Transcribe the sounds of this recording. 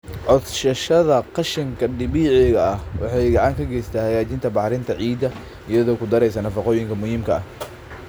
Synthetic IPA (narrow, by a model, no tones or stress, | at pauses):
ʕɔd̪ʃɐʃɐðɐqɑʃɪŋkʰɐɖɪβiːʕɪɣɐɐhwɑ̰ħɑjɡɑʕɑŋkʰɐɡɛjst̪ʰaːhɐɣaːt͡ʃɪnt̪ʰɐbɑħɾɪnt̪ʰɐʕiːd̪ɐ | ɪjɐðɔːkʰʊd̪ɐɾɛjsɐnɐfɑqɔːjɪŋkʰɐmʊhiːmkʰɐɐh